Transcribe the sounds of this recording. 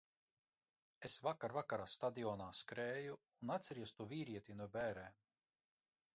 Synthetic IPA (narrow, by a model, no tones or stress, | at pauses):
esvakaɾvakaɾaːst̪ad̪iɔːnaːskɾɛːjuːnat̪sʲɛɾiɛst̪uviːɾiɛt̪inuɔbʲɛːɾɛːm